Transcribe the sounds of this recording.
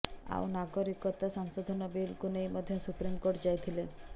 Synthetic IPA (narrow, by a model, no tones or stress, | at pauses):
a̰wnaɡɔɾikɔt̪asaŋsɔd̪ʱɔnɔbilkunejmɔd̪ʱjɔsupɾimkoɾʈd͡ʒajt̪ʰile